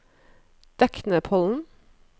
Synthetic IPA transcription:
d̪̥ɛknəpʰɔln̩

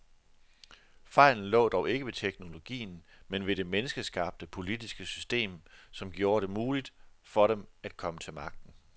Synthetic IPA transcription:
fɑ̈ɪ̰ln̩lɔ̰̽ːd̥ɒʊe̝ɡ̥əʋe̝t͡sʰeɡ̥no̝lo̝ɡ̥ḭːn̩ | menʋe̝de̝menəsɡ̥əsɡ̥ɑ̈b̥̚d̥əpʰo̝lid̥isɡ̥əsysd̥e̝̰ːmsɒ̽mɡ̥jo̝ːɐɾ̥e̝muːlid̥fɒ̽ɾemæd̥̚kʰɒ̽mət͡sʰe̝lmɑ̈ɡ̥̚d̥n̩

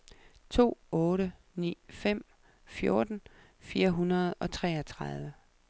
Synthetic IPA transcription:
t͡sʰo̝̰ːɔ̽ːɾə | nḭːfem̰ | fjo̝ɐd̥n̩ | fiːɐɦunɐð̞̩ˠɒ̽t͡sʰʁɛ̰ːɒt͡sʰʁɑð̞ˠʋə

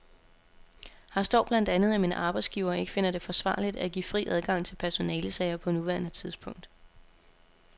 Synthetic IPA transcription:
hɑ̈sd̥ɒʊ̰b̥læn̰d̥ænð̞̩ˠæmiːnəʔɑ̈ːb̥ɑ̈ɪdsɡ̥iʊɐːe̝ɡ̥ə̥fe̝n̰ɐd̥e̝fɒ̽sʋɑ̰̈ːlid̥æɡ̥ḭːfʁḭːʔæð̞ˠɡ̥ɑ̈ŋ̰t͡sʰe̝lpʰæɐso̝nɛːləsɛɪ̰ɐpʰɒ̽nuʋæɐnət͡sʰiðˠsb̥ʰɔ̽ŋ̰d̥

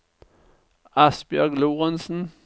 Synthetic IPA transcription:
ɑsb̥jœɡluːʁənsn̩

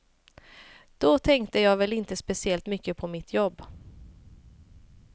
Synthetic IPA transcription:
d̪̥ɔt̪ʰɛŋkt̪əjɑːɡvɛlɪnt̪əspɛsɪɛlt̪mʏkːəpʰɔmɪt̪ʰjɔbː

